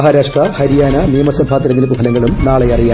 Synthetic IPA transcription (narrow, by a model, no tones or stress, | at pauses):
ɦaːɾaːʂʈrɐhɐɾijaːnɐnijɐmɐsɐmbʱaːt̪ːiɾɐnd̪inɐpːupʰɐlɐŋːɐɭumnaːɭejɐrijaː